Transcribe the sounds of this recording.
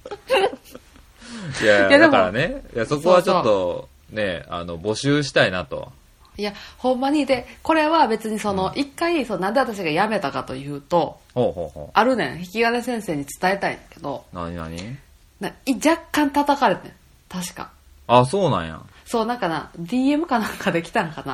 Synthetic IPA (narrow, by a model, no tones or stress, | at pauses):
jajad̪eaɾa̰nejaso̞koβat͡ɕot̪ːo̞ | ne̞a̰no̞bo̞ɕɨːɕ̬i̥t̪ainat̪o̞̰ | jahõ̞mːaɲ̟id̪e̞ko̞ɾe̞βabe̞t͡sɨɲ̟iso̞no̞ʔikːaisonãnd̪eat̪aɕ̬iɡajame̞t̪akat̪o̞jɯ̟ːt̪o̞ | hoːhoːho̰ːaɾɯnẽõ̰çi̥kʲiɡanesẽ̞ɰ̃se̞ːɲ̟it͡sɨ̥t̪ae̞t̪aḭked̪o̞naɲina̰ɲi | naid͡ʑakːãnt̪at̪akaɾe̞t̪ḛ̃ | t̪aɕi̥ka̰ | asoːnã̰jã̰so̞ːnãŋkana̰d̪ʲiːe̞mɯ̟kanãŋkad̪e̞kʲi̥t̪ãŋkana̰